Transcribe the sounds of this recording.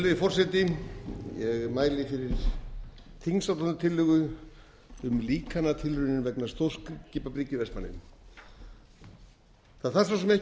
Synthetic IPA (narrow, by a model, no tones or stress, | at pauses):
lʏfɔr̥sɛt̪ɪjɛɣmaːjlɪfɪɾɪɾ̥ | t̪ʰiŋsawt̪anʏt̪ʰɪlːʏɣʏ | ʏmliːkʰanat̪ʰɪlrʏnːɪnvɛknast̪ʰoːwskcɪːpapɾicɪvɛsmanːɪ̰n | θaðθar̥sasɛmɛh